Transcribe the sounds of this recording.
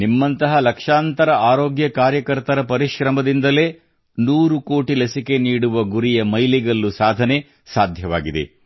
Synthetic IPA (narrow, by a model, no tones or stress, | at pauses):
nimːɐnt̪ɐɦɐlɐkʂaːnt̪ɐɾɐʔaːɾoːɡjɐkaːɾjɐkɐɾt̪ɐɾɐpɐɾiʃɾɐmɐd̪ind̪ɐle̞ː | nuːɾukoːʈilɐsike̞niːɽuʋɐɡuɾijɐmɐjliɡɐlːusaːd̪ʱɐne̞ | saːd̪ʱjɐʋa̰ːɡid̪e̞̰